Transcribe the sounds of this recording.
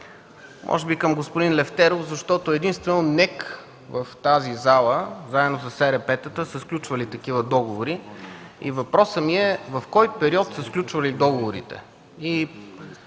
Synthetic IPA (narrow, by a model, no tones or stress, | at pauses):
mʔɔ̰ʒɛbikəmɡospʊd̪inlɛft̪ɛɾofzɐʃt̪ɔt̪oɛd̪inst̪vɛnonɛk | vəft̪azizalˠəzaɛd̪nosəsɛɾɛpɛt̪ət̪əsəsklʲut͡ʃvəlit̪ɐk̟ivəd̪ɔɡovoɾi | ḭvɐpɾɔsəmiɛvɐfkɔjpɛɾiɔt̪səsklʲut͡ʃvɐlid̪ɔɡovoɾḭt̪ɛ̰ | i